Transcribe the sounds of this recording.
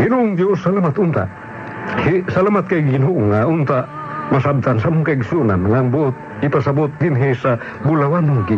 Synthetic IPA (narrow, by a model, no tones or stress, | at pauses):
hinuŋt̪josalamat̪unt̪a̰ | hisalamat̪̚kajɡinɦuʔuŋːaunt̪aʔ | masab̚t̪ansamukaiɡsiunanŋaŋbot̪̚ | ipasabot̪̚dinɦesa | bulawanuŋki